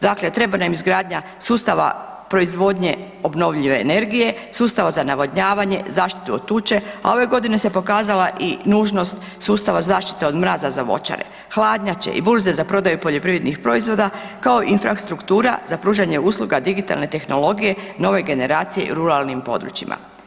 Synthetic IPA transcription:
d̪akle̞t̪ɾe̞banamizɡɾaːd̪ɲa | suːst̪aʋa̰ | pɾo̞izʋo̞d̪ɲe̞ | obno̞ʋʎiʋe̞ːne̞ɾɡije̞suːst̪aʋazanaʋoɲaːʋaɲe̞zaːʃt̪i̥t̪uot̪ːuːt͡ʃe̞a̰o̞ʋe̞ɡo̞d̪ine̞se̞po̞kaːzalaʔinuːʒno̞st̪ | suːst̪aʋazaːʃt̪i̥t̪eo̞d̪mɾaːzazaʋo̞̰t͡ʃa̰ɾḛ | xlˠaːd̪ɲat͡ɕḛʔḭbuɾzezapɾo̞d̪ajupo̞ʎo̞pɾiʋɾed̪nixpɾo̞izʋo̞d̪akao̞ʔinfɾast̪ɾukt̪uːɾa̰z̥apɾuːʒaɲe̞uːslˠuɡad̪iɡit̪a̰lne̞t̪e̞xno̞lo̞ɡije̞no̞ʋe̞ɡe̞ne̞ɾaːt̪sije̞̰ʔḭɾuɾalˠnimpo̞̰d̪ɾṵt͡ʃimʔa̰

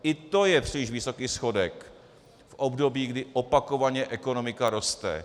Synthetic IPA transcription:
ʔɪt̪o̞jɛpr̥ɪlɪʃvɪso̞kiːsxo̞dɛk | fʔobdo̞biːɡdɪʔopako̞vaɲɛʔɛko̞no̞mɪkaɾo̞st̪ɛ̰

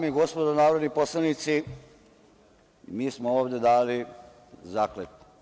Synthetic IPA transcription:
amiɡo̞spod̪onaːʋɾod̪nipo̞slˠanit̪si | miːsmooːʋd̪jed̪aːli | zaːklek̪u̥

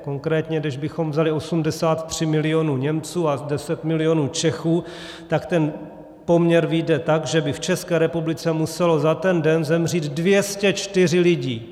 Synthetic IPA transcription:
ko̞ŋkɾɛːt̪ɲɛdɛʒbɪxo̞mvzalɪo̞sumdɛsaːt̪t̪r̝̥ɪmɪlɪo̞nuːɲɛmt͡suːadɛsɛt̪mɪlɪjo̞nuːt͡ʃɛxuː | t̪akt̪ɛn | po̞mɲɛɾvidɛt̪aɡʒɛbɪft͡ʃɛskɛːɾɛpublɪt͡sɛmusɛlo̞zat̪ɛndɛnzɛmr̝iːd̪dvjɛscɛt͡ʃt̪ɪr̝ɪlɪɟiː

